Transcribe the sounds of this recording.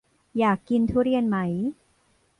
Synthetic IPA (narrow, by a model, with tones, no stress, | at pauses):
jaː˨˩kːi˧nt̪ʰu˥˩ɾi˧˥˩ənma˦˥j